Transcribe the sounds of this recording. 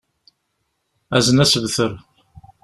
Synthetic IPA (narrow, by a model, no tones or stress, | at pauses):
æzənæsəvθəɾ